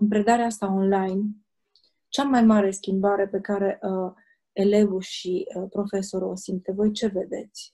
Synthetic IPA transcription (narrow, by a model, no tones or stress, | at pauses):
ɨmpɾe̞d̪aɾeast̪ao̞nlajn | t͡ʃamajmaɾe̞skʲimbaɾe̞pe̞kaɾe̞ʔ | ele̞ɡuʃipɾo̞fe̞so̞ɾo̰sim̚t̪evo̞jt͡ʃe̞ve̞d̪e̞t̪sʲ